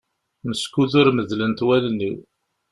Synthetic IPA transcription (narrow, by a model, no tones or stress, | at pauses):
məskuðʊɾməðlənt̪wælnːḭ